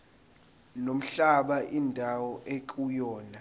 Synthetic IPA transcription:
nom̩ɬaɓaʔindʱawɔʔekʼujɔːna

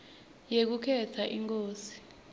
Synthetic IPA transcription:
jek̬ukʰɛtʰaʔiŋk̬ʼoːsi̥

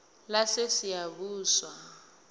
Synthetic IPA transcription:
lasesijaβuːswa

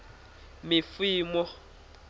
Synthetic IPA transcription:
mɪfwiːmɔ

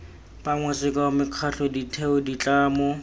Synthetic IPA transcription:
paŋwɛsɪkamɪq͡χʰaɬɔditʰɛʊdit͡ɬʼaːmʊ

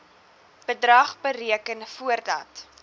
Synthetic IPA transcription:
b̥ədrɐχbəɾiəkənfuərdɐ̰t

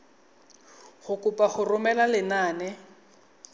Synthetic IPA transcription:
χʊkʼʊpʼaχʊrʊmɛlalɪnaːnɛ

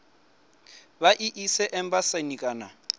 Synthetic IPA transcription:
βaʔiʔisɛʔɛmbasanikʼaːna

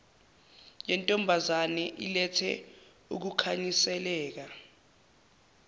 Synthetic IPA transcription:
jɛntʼɔmbʱazanɛʔilɛtʰɛ̰ | uk̬ukʰaɲisɛlɛːk̬a

